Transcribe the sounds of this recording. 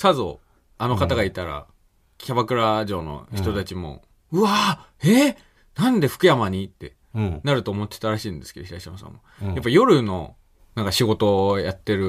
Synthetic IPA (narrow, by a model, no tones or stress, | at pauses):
sazo̰ | ano̞kat̪aɡait̪aɾa̰ | kʲabakɯ̟ɾaʑo̞ːno̰çi̥t̪o̞t̪at͡ɕimo̞̰ | ɯa | e | nãnd̪e̞ɸɯ̥kɯjamaɲ̟it̪ːe̞ | naɾɯ̟t̪oːmo̞t̪ːet̪aɾaɕiːnd̪e̞sɨ̥ke̞d̪oçiɾaɕiamasã̰mːojapːajo̞ɾɯ̟no̞̰ | nãŋkaɕiɡo̞t̪o̞jat̪ːe̞ɾɯ̟